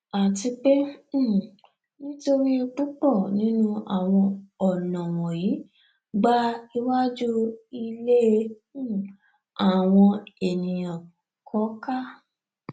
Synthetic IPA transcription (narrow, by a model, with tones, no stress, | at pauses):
a˨ti˧k͡pẽ˦˨ | nĩ˦to˧ɾi˦˧k͡pu˦k͡pɔ˦˨nĩ˨˦nũ˦a̰˦˨w̃ɔ̃˧ɔ˨nã˨w̃ɔ̃˨ji˨˦ | ɡ͡ba˦i˧wa˦d͡ʒu˦i˧le˦ẽ˧˦˨ | a˦˨w̃ɔ̃˧e˨nĩ˨jã˨ | kʰɔ˨˦ka˦